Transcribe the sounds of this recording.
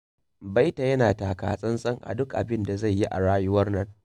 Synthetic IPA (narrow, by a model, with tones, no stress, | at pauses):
ba˦jta˨jɐ˦naː˨taː˨ka̰ː˨sʼɐ˦nsʼɐ˦ŋʔa̰˨dʊ˦kʔa̰˨bɪ˦nda˨za˦˨jːi˦ʔa˨ɽaː˦jʊ˦wɐ˦rnɐ˦ŋ